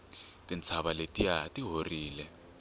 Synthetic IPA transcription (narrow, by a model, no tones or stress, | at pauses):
tʼint͡sʰaɓaletʼiatʼiɦoriːlɛ